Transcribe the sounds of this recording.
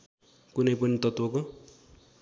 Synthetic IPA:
kunʌjpʌnit̪ʌt̪wʌko

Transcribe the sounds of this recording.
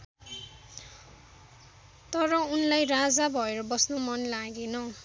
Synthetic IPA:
t̪ʌɾʌunlajɾad͡zabʱʌeɾʌbʌsnomʌnlaɡenʌ

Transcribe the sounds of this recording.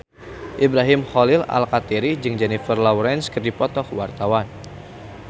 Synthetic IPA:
ʔibɾaɦɪmhɔlɪla̰lkat̪iɾid͡ʒɨŋd͡ʒɛnifərlawɾɛnskɨrdipɔt̪ɔkwart̪awan

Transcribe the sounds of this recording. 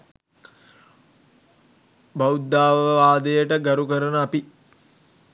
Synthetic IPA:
bawud̪ːaːʋəʋaːd̪əjəʈəɡaɾukəɾənəapi

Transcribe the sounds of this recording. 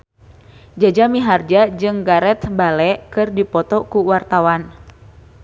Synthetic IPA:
d͡ʒad͡ʒamiɦard͡ʒad͡ʒɨŋɡaɾɛt̪balɛʔkɨrdipɔt̪ɔkuwart̪awan

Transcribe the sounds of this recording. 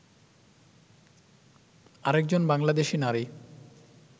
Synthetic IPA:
aɾek̚d͡ʑonbaŋlad̪eʃinaɾi

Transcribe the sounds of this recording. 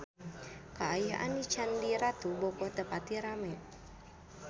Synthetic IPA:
kaajaɦʔa̰nit͡ʃandiɾat̪ubɔkɔht̪əpat̪iɾamɛʔ

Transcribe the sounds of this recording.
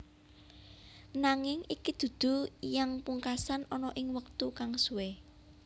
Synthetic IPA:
naŋɪŋikid̪̥ṳd̪̥ṳjaŋpuŋkasanɔnɔʔɪŋwək̚t̪ukaŋsuwe

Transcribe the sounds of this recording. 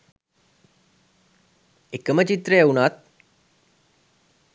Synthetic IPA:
ekəmət͡ʃit̪ɾəjeunat̪̚

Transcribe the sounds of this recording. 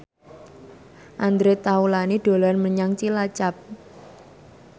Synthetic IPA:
ʔand̪ɾet̪aulaniɖ̥o̤lanməɲaŋt͡ʃilat͡ʃap̚

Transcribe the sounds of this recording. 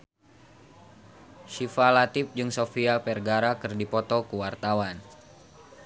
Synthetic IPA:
ʃifalat̪ip̚d͡ʒɨŋsofiapɛrɡaɾakɨrdipɔt̪ɔkuwart̪awan

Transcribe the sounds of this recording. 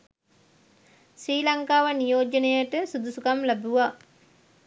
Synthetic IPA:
sɾiːlaŋkaːʋənijoːd͡ʒənejəʈəsud̪usukamlæbuʋa

